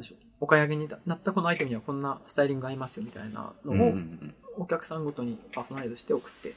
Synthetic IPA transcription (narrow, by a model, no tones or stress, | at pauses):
d̪eɕo | o̞kaiaɡe̞ɲ̟inat̪ːako̞no̞ait̪e̞mɯ̟ɲ̟iβakõ̞nːasɨ̥t̪aiɾʲĩŋɡɯ̟aɾʲimasɨ̥jo̞mʲit̪a̰ina̰no̞ookʲakɯ̟̥sãŋɡo̞t̪o̞ɲ̟ipaːso̞naɾid̪oɕi̥t̪e̞o̞kɯ̟̥t̪ːe